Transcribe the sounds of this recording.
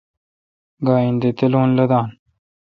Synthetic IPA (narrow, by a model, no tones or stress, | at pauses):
ɡaːind̪et̪eloːnlɐd̪aːn